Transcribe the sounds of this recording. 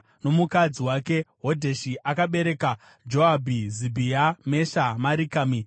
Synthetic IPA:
no̞mukad͡ziwake̞ɦo̞dʱeʃiʔakaɓe̞ɾe̞ka | d͡ʒoabʱizibʱijame̞ʃamaɾikaːmi

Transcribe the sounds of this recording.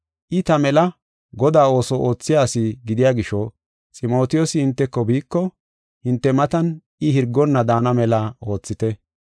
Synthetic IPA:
ʔɪt̪ɐmɛlɐ | ɡɔd̪aːo̞ːsɔʔoːt͡sːɪjaːsɪɡɪd̪ɪjaːɡɪʃɔ | t͡sʼɪmo̞ːt̪ɪjosɪhɪnt̪ːɛkːɔbiːkːɔ | hɪnt̪ːɛmɐt̪ɐn | ɪhɪɾɡːɔnːɐd̪aːnɐmɛlɐo̞ːt͡sːɪt̪ɛ

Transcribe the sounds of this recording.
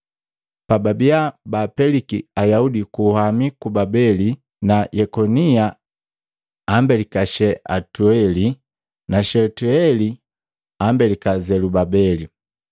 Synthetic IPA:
pababiabapɛlikiajaudikuhamikubabɛli | najɛkɔnia | mbɛlikaʃɛʔa̰tuɛli | naʃɛtuɛli | ambɛlikazɛlubabɛli

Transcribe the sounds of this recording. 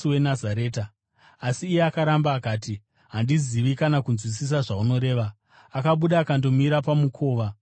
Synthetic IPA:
we̞nazaɾe̞ːta | asiːje̞akaɾambaːkaːti | ɦandiziʋikanakunzwisis̬aʐauno̞ɾe̞ːʋa | akaɓuɗaːkando̞miɾapamukʰo̞ːʋa

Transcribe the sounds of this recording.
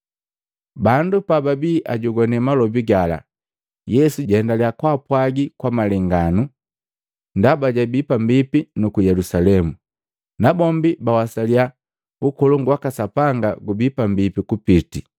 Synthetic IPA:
bandupababiːʔaɟuɡɔnɛmalɔbiɡala̰ | jɛsuɟɛndaliakwapwaɡikwamalɛŋɡanu | ndabaɟabipambipinukujɛlusalɛmu | nabɔmbibawasalia | ukɔluŋɡwakasapaŋɡaɡubipambipikupiti

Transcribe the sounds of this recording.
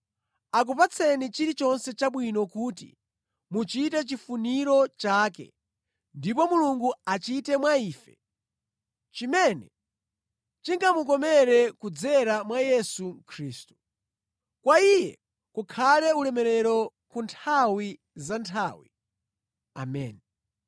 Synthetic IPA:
ak̬upat͡sʰɛnit͡ʃiɾit͡ʃɔnsɛt͡ʃaɓwinɔkuːt̬ḭ | mut͡ʃitɛt͡ʃifuniɾɔt͡ʃaːk̬ɛ̰ | ndipɔmuluŋɡuat͡ʃitɛmwaiːfɛ̰ | t͡ʃimɛnɛ | t͡ʃiŋɡamuk̬ɔmɛɾɛkud͡zɛɾamwajɛsukʰɾiːstu̥ | kwaijɛ | kukʰalɛulɛmɛɾɛɾɔ | kuntʰawi | zantʰaːwḭ | a̰mɛ̰ni

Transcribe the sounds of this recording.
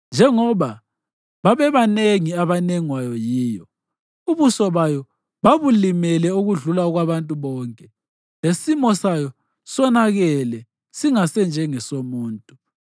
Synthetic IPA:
nd͡ʒʱɛŋɔβa | βaβɛβaneŋiaβaneŋwajɔjiːjɔ | uβusɔβajɔ | βaβulimɛlɛuɣuɮulauɣwaβantʼuβɔːŋkʼɛ | esimɔsajɔ | sɔnaɣɛlɛ | siŋasɛnd͡ʒʱɛŋɛsomuːntʼu

